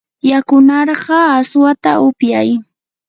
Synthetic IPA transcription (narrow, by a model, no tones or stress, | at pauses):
jakʊnɑɾɢɑːswat̪aʔʊpjaj